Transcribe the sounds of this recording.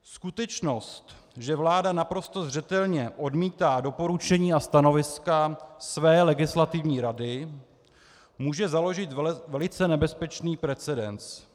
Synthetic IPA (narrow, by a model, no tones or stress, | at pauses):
skut̪ɛt͡ʃno̞st̪ | ʒɛvlaːdanapɾo̞st̪o̞zr̝ɛt̪ɛlɲɛʔo̞dmiːt̪aːdo̞po̞ɾut͡ʃɛɲiːast̪ano̞vɪskasvɛːlɛɡɪslat̪ɪvɲiːɾadɪ | muːʒɛzalo̞ʒɪt̪vɛlɪt͡sɛnɛbɛspɛt͡ʃniːpɾɛt͡sɛdɛnt͡s